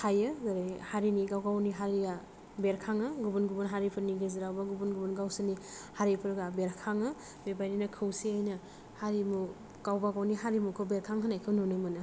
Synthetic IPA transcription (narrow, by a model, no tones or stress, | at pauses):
hʰajɯɡɯɾehaɾiniɡawɡawniɦaɾiɡa | beɾkʰaŋɯɡubunɡubunɦaɾipʰɯɾniɡeziɾawbaɡubunɡubunɡawsɯnihaɾipʰɯɾɡabeɾkʰaŋɯ | bebajninakʰɯwsiajnɐ | haɾimu | kawbaɡawniɦaɾimukʰɯbeɾkʰaŋɦanajkʰɯwnunɯmɯnɯ